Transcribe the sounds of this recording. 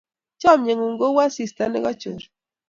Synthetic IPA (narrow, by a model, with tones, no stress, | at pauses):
t͡ʃɔ˦˨mɲe˨ŋu˨ŋɡo˦wa˦si˨sta˦nḛ˦ɣɔ˦t͡ʃṵ˨ɾ